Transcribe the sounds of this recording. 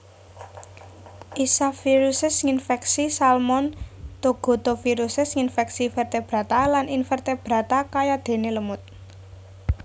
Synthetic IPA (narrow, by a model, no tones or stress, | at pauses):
ʔisafiɾusɪsŋinfɛksisalmɔnt̪oɡ̥o̤t̪ofiɾusɪsŋinfɛksifɛrt̪eb̥ɾa̤t̪alaninfɛrt̪eb̥ɾä̤t̪akajad̪̥e̤neləmʊt̪̚